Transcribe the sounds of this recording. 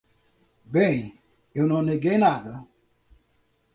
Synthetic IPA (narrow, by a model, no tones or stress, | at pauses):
be | enoneɡenadə